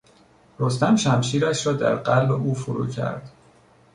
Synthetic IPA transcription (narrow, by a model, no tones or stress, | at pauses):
ɾost̪æmʃæmʃiːɾæʃɾɒːd̪æ̰ɾɢælbe̞ʔuːfoɾṵːcʰæ̰ɾd̪̥